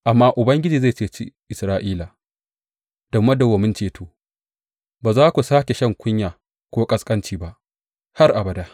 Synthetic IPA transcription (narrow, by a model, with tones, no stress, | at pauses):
ʔa˨mːaː˦ʔʊ˨bɐ˦ŋɡʲɪ˦d͡ʒiː˨za˦˨t͡ʃeː˨t͡ʃḭ˦ʔɪ˨sɾaː˦ʔiː˦la˨ | d̥ɐ˨mːɐ˦da˨wɐ˨mɪ˦nt͡ʃeː˨tʰoː˦ | baː˨zaː˦kʷu˨saː˦kʲe˨ʃɐ˦˨ŋkʷʰʊ˦ɲjaː˨ | kʷoː˦kʼɐ˦skʼɐ˦nt͡ʃiː˦ba˦ʔ | ha˦rʔa˨bɐ˨da˦ʔ